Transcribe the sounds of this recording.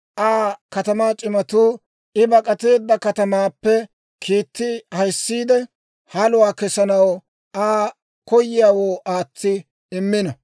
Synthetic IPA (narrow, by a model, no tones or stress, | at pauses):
ʔaːkɐt̪ɐmaːt͡ʃʼɪmɐt̪uː | ɪbɐkʼɐt̪e̞ːd̪ːɐkɐt̪ɐmaːpːɛ | kʰiːt̪ːɪhɐjsːiːd̪ɛ | hɐlʊwaːkɛsɐnɐw | ʔaː | kɔjɪjaːwoːaːt͡sːɪ | ɪmːɪnɐ